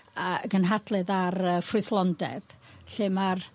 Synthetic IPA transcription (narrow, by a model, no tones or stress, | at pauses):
aɡənɦadlˠɨðarəfrʊθlˠɔndɛ̰b̥ɬɨmar